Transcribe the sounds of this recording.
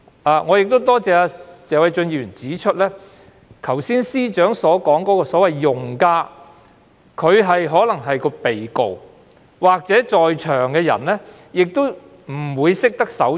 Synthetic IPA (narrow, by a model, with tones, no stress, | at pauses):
ʔaː˨ŋɔː˨˧jɪ˨k̚t̪o˥wt̪ɔː˥t͡sɛː˨˧aː˧t͡sɛː˨˧wɐ˨˥jt͡ʃɵ˧njiː˧ɥyː˨˩nt͡siː˨˥t͡ʃʰɵ˥t̚lɛː˥ | k̪ʰɐ˨˩wsiː˥nsiː˥t͡ʃœː˨˥ŋsɔː˨˥kɔː˨˥ŋkɔː˨˥kɔː˧sɔː˨˥wɐ˨jːʊ˨ŋkaː˧ | kʰɵ˨˧ɥɦɐ˨jɦɔː˨˥lɐ˨˩ŋɦɐ˨jkɔː˧pe˨jko̰˨w | waː˨k̚t͡sɛː˨˥t͡ʃɔː˨jt͡ʃʰœː˨˩ŋkɛː˧jɐ̰˨˩nlɛː˥ | jɪ˨k̚t̪o˥w | m̩˨˩wuː˨˧jsɪ˥k̚t̪ɐ˥k̚sɐ˨˥w